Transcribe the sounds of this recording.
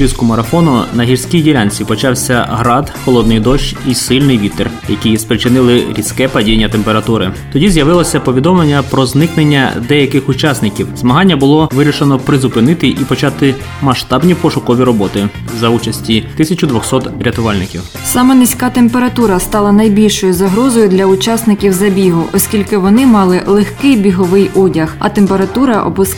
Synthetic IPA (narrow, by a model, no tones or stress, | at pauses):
ɾʲiskʊmɐɾɐfɔnʊnɐɦʲirsʲkʲijdʲilʲanʲt͡sʲipɔt͡ʃɑwsʲɐɦɾɑd̪xɔlˠɔd̪nɪjd̪ɔʃt͡ʃisɪlʲnɪjʋʲit̪er | jɐkʲijspɾɪt͡ʃɪnɪlˠɪɾʲisʲkɛpɐdʲijnʲːɐt̪empeɾɐt̪uɾɪ̰t̪ɔdʲizʲjɐʋɪlˠɔsʲɐpɔʋʲid̪ɔmlˠenʲːɐpɾɔznɪknenʲːɐ̰d̪ɛjɐkɪxʊt͡ʃɑsnɪkʲiwzmɐɦɑnʲːɐbʊlˠɔʋɪɾʲiʃenɔpɾɪzʊpɪnɪt̪ɪʔipɔt͡ʃɑt̪ɪ | mɐʃt̪ɑbnʲipɔʃʊkɔʋʲiɾɔbɔt̪ɪ | zɐut͡ʃɐsʲtʲit̪ɪsʲɐt͡ʃʊd̪ʋɔxsɔt̪ɾʲɐt̪ʊʋɑlʲnɪkʲiw | sɑmɛnɪsʲkɑt̪empeɾɐt̪uɾɐst̪ɑlˠɐnɐjbʲilʲʃɔjʊzɐɦɾɔzɔjʊd̪lʲɐʊt͡ʃɑsnɪkʲiwzɐbʲiɦʊʔɔsʲkʲilʲkɪʋɔnɪmɑlˠɪlˠexkɪjbʲiɦɔʋɪjudʲɐxɐ̰t̪empeɾɐt̪uɾɐʔɔ̰bʊs